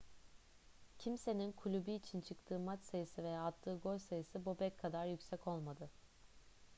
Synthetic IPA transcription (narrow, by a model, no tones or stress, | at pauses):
cʰimse̞ninkʰulʲubiːt͡ʃʰint͡ʃʰɯkt̪ʰɯːmat͡ʃsajɯsɯvejaːt̪ʰːɯːɡo̞lsajɯsɯbobɛckʰːad̪aɾjycsɛco̞lˠmad̪ɯ